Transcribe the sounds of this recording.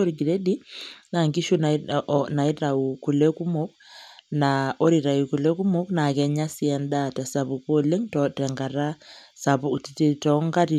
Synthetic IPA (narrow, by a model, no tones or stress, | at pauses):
oɾiɡiɾedinaŋɡiʃunnaiɾaukulekumok̚naoɾiɾaikulekumoknakɛɲasiɛndatasaβukoleŋtɔtɛŋɡaɾasaβutititɔŋɡati